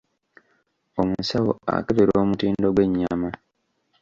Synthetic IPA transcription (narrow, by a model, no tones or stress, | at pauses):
omusawo̰a̰keβiɾoːmutiːndo̞ɡwe̞ɲːama